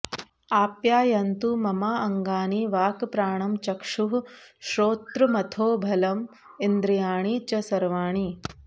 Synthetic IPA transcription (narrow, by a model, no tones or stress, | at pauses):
aːpjaːjɐnt̪umɐmaːɐŋɡaːniʋaːkpɾaːɳɐmt͡ʃɐkʂuɦʃɾoːt̪ɾumɐt̪ʰoːbʱɐlɐm | ind̪ɾijaːɳit͡ʃɐsɐɾʋaːɳi